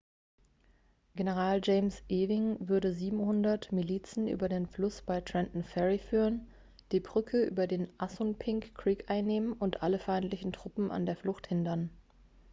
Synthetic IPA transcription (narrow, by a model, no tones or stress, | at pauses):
ɡ̥enəʁ̞aːld͡ʒɛɪmsʔeːvɪŋvʏɐɾəziːbm̩hʊndɐtmiliːt͡sn̩ʔy̰ːbɐdeːnflʊsb̥aɪtʁ̥ɛntn̩fɛʁifyːʁən | d̥iːbʁʏkʰəʔy̰ːbɐdeːnʔasʊnpʰɪŋkːʁ̥iːkʔaɪnːeːmənʔʊntʔaləfaɪntlɪçn̩tʁ̥ʊpm̩ʔa̰ndeːɐflʊxthɪndɐn